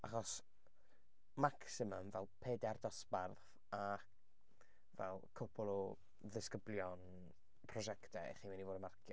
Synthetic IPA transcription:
aχɔs | maksɪməmvɛlˠpʰeːdɛrdɔsbarθ | a | vɛ̰lˠkʰʊpʰʊlˠɔ | ðɪskəbljɔn | pʰrɔʒɛktʰɛ̰ɛ̰χiːnwinivoːdəmarkʰjɔ

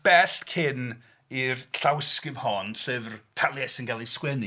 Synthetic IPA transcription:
b̥ɛɬkʰɪn | irɬawɪskɪvhɔnɬɨvrtʰalˠjɛsɪnɡalˠiskwɛni

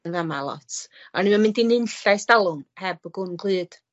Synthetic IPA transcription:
vamalˠɔ̰tʰɔnimamɪndinɨnɬajstalˠʊnhɛbəɡʊnɡʰlˠɨːd̥

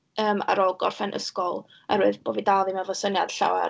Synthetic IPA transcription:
əːma̰ɾɔlˠɡɔrfɛnʔə̰skɔlˠ | ɛɾɨɨðboːvidalˠimavɔsənjad̥ɬa̰wɛ̰

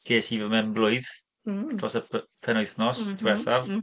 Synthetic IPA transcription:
ɡ̥eːsivəmɛnblʊjð | dʰrɔsəppʰɛnɔjθnɔsdwɛθav

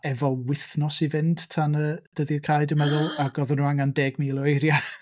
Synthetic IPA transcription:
ɛvɔlˠwɪθnɔsivɪnd̥tʰanəd̥əðiəkʰajdəməðʊlˠaɡ̥ɔðənuaŋandeːɡmiːlˠɔejɾja

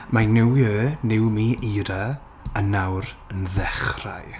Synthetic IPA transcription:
majnɪwjøːnɪwmiːʔiːɾa | ənawɾ | ənðɛχra̰j

